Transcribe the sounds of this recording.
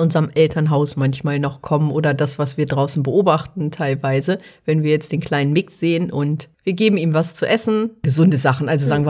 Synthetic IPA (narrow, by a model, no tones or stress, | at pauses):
ʔʊnzɐmʔɛltʰɐnɦaʊsmançmaːlnɔχkʰɔmənʔoːdɐdasv̥asv̥iːɐdʁaʊsn̩bəʔoːbaχtn̩tʰaɪlvaɪzəvɛnviːɐjɛt͡std̥eːnkʰl̥aɪnənmɪksz̥eːənʔʊntv̥iːɐɡeːbm̩iːmvast͡suʔɛsn̩ɡ̥əzʊndəzaχn̩ʔalzozaːɡŋ̩viːɐ